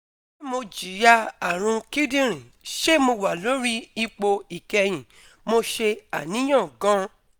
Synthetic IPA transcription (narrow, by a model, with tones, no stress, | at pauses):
ɛ˦mo˧d͡ʒi˨ja˧a˨ɾ̃ũ˧ki˦dĩ˦ɾ̃ĩ˨ | ʃe˦mo˧wa˨lo˨˦ɾi˦i˧k͡po˧i˨kɛ˧j̃ĩ˨ | mo˧ʃe˧a˨nĩ˨˦j̃ã˦˨ɡã˦